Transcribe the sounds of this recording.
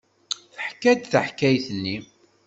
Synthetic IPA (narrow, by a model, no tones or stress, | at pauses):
θəħkːæd̪θəħkæjθənːi